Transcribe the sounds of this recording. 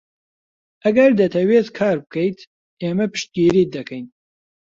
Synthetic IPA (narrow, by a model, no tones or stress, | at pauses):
ɐɡɐɾd̪ɐt̪ʰɐweːt̪kʰaːɾbɨkʰɐjt̪ | eːmɐpɨ̥ʃt̪̚ɡiːɾiːd̪ɐkʰɐjn